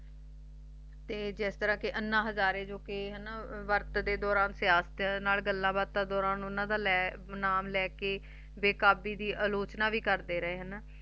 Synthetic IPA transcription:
t̪eːd͡ʒɪst̪əɾãːkɪʔənːãːɦəzaːɾẽːd͡ʒoːkeɦənaʋəɾt̪d̪eːd̪ɔːɾaːnsɪjaːst̪ːnaːlɡəlːãːbaːd̪̚t̪aːd̪ɔːɾaːnʊnãːd̪aːlɛː | naːmlɛːkeː | ʋeːkaːbiːd̪iːʔaːloːt͡ʃnaːʋiːkəɾd̪eːɾəɦeːɦənaː

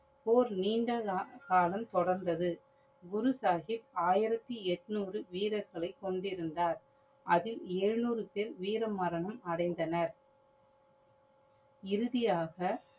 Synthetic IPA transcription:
poːɾniːɳɖakaːlɐmt̪ɔɽɐɾnd̪ɐðɯ | ɡʊɾɯsaːɣɪpaːjɪɾɐt̪ːiɛʈːnuːrɯʋiːɾɐɾɣɐɭɐɪkːɔɳɖɪɾɯnd̪aːɾ | ʔɐðɪleːɻnuːɾɯpeːɾʋiːɾɐmːɐɾɐɳɐmɐɽɐɪnd̪ɐnɐɾ | ɪɾɯðɪjaːɣɐ

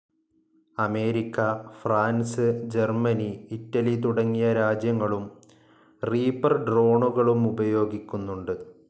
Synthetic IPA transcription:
ɐme̞ːɾikʲːɐfraːnsɨd͡ʑe̞rmɐniːtːɐlit̪uɽɐŋːijɐɾaːd͡ʑjɐŋːɐɭum | riːbɐrɖro̞ːɳuɣɐɭumubɐjo̞ːɡikʲːunːuɳɖɨ

